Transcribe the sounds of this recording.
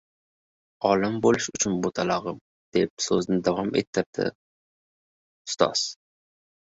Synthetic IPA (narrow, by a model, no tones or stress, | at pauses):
ɒlɪmbolɪʃʊt͡ʃʰʊnbot̪ʰalaʁɨm | d̪̥e̞p̚sɵznɪd̪avɒmḛt̪ʰːɪɾ̚d̪̥ɪ̰ | ʊ̥st̪ʰɒ̰z̥